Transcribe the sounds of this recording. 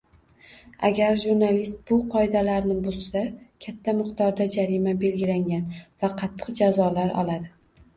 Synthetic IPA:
a̰ɡʲaɾʒuɾnalist̪̚bʊqʰɒɪd̪alaɾnɪbozsakʲʰat̪ʰːamɨqt̪ɒɾd̪ad͡ʒaɾimabe̞lɡʲɪlaŋɡʲanvaqʰɑt̪ʰːɨ̥qd͡ʒazɒlaɾʔɒ̰lˠad̪ɪ

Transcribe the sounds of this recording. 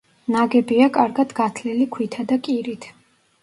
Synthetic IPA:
naɡɛbiakʼaɾɡad̪ɡat̪ʰlɛlikʰwit̪ʰad̪akʼiɾit̪ʰ

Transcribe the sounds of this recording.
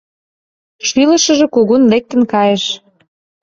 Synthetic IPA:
ʃylə̆ʃə̆ʒĕkuɣunlek̚t̪ə̆nkɑjeʃ

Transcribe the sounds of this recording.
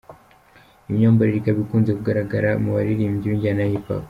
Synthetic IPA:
imɲoːmbaɾiɾikaβikuːnzekuɡaɾaɡaɾamuβaɾiɾimɟuːɲɟianajipa̰

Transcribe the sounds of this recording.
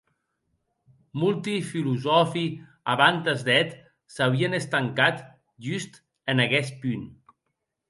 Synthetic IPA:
mulˠt̪ifiluzɔfi | aβant̪əzd̪ɛt̪ | saβ̞iənəst̪aŋkat̪ | ʒyst̪ | ənaɣɛspyn

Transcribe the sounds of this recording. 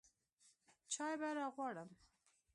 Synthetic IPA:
t͡ʃɑjbaɾɑɣwɑɽəm

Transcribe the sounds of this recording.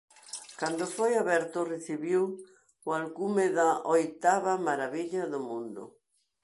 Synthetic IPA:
kand̪ofojaβɛɾt̪ʊreθiβiw | walkumeðaʔojt̪aβamaɾaβiʎaðʊmũnd̪ʊ̰

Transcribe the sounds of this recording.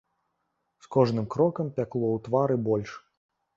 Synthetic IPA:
skɔʐnɨmkɾɔkɐmpʲaklˠɔwt̪vaɾɨbɔlʲʂ

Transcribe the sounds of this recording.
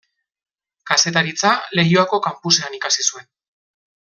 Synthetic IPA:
kase̞t̪aɾit͡sale̞joako̞kampuse̞anikasisue̞n

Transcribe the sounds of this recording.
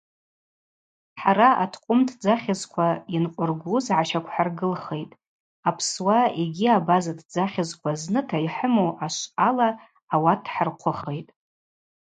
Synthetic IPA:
ħaɾaatʰqʷʼʊmtʰd͡zaχʲazkʷʰainqʷʼʊrɡʷuzʕaʃakʷʰħarɡɨlχe̞jtʼ | apʰswaeɡʲiabazadʰd͡zaχʲazkʷʰaznɨtʰaiħəmoʔaʃʷalaː | watʰħarqʷʰʊχe̞jtʼ

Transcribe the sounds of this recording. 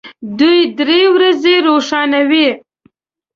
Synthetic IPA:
d̪ujd̪ɾewɾazeɾoʂɑnawi

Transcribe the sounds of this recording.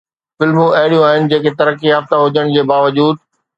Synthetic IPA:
fɪlmũɐɦɪɽijũaːɦɪnɪ̆d͡ʑeːket̪ɐɾəkːijaːft̪aɦʊd͡ʑəɽ̃d͡ʑeːbaːʋɐd͡ʑuːd̪̚

